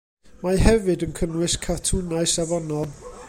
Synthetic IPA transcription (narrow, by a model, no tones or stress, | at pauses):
maɦɛvɨdənkʰənwɨskʰatʰunaɨsavɔnɔlˠ